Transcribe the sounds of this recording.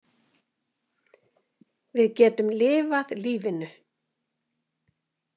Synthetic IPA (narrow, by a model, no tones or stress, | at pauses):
vɪðcɛːt̪ʏmlɪːvaðliːvɪnʏ